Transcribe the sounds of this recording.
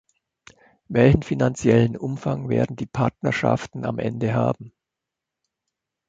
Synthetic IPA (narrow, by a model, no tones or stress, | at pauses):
vɛlçn̩finant͡sjɛlənʔʊmfaŋveːɐdn̩diːpʰaɐtnɐɐʃa̰ftn̩a̰mʔɛ̰ndəɦa̰ːbm̩